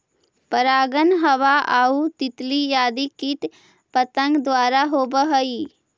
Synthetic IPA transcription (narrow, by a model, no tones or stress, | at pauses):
pəɾaːɡənɦɐʋaʔaːut̪ɪt̪lijaːd̪ikit̪ | pət̪ə̃ŋɡd̪waːɾaɦoːbəɦəiː